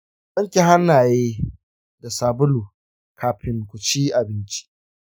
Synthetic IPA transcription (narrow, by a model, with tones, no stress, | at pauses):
ɓɐ˦ŋkʲi˨ɦa˦nːaː˨jeː˦ | da˨saː˨bʊ˦luː˨ | kʰaː˨ɸɪ˦ŋkʷʊ˨t͡ʃiː˦ʔa˨bɪ˦nt͡ʃi̥˦ʔ